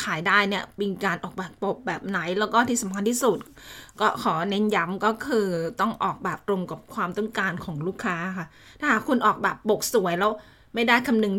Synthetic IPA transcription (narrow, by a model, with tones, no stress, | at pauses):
kʰaː˨˩˦jdaː˥˩jni˥˩ɐpi˧ŋkaː˧nʔɔː˨˩k̚bɛː˨˩ppo˨˩p̚bɛː˨˩p̚na˨˦˥jlɛː˦˥wkɔː˥˩t̪ʰiː˥˩sa˨˦mkʰa˧nt̪ʰi˥˩su˨˩t̪̚kɔː˥˩kʰɔː˩˦ne˦˥nja˦˥mkɔː˥˩kʰɯː˧t̪ɔ˥˩ŋʔɔː˨˩k̚bɛː˨˩p̚t̪ɾo˧ŋka˨˩p̚kʰwaː˧mt̪ɔ˥˩ŋkaː˧nkʰɔː˩˦ŋɾuː˥˩kʰːaː˦˥kʰa˥˩ | t̪ʰaː˥˩haː˨˩kʰːu˧nʔɔː˨˩k̚bɛː˨˩pːo˨˩k̚su˨˩˦ɐjlɛː˦˥w | ma˥˩jdaː˥˩jkʰa˧mnɯ˧ŋ